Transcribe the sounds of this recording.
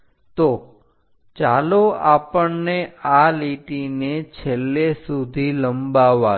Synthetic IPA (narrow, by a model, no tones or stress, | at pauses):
t̪o | t͡ʃaloapəɳnealiʈinet͡ʃʰelːesud̪ʱiləmbaʋa